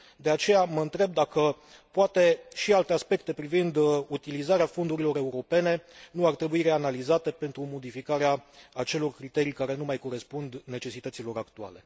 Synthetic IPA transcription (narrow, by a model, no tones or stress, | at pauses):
d̪e̞at͡ʃe̞jaməɨnt̪ɾe̞b̚d̪akə | poat̪e̞ʃialt̪e̞aspe̞k̚t̪e̞pɾivind̪ut̪ilizaɾeafo̞nd̪uɾilo̞ɾe̞uɾo̞pe̞ne̞nuart̪ɾe̞buiɾe̞analizat̪e̞pe̞nt̪ɾumo̞d̪ifikaɾeaːt͡ʃe̞lo̞rkɾit̪e̞ɾijkaɾe̞numajko̞ɾe̞spund̪ne̞t͡ʃe̞sit̪ət̪silo̞ɾakt̪ua̰le̞̰